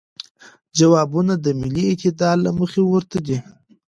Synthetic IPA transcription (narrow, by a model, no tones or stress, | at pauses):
d͡ʒawɑbunad̪əmɪliɪt̪ɪd̪ɑd̪laməxewəɾt̪ad̪i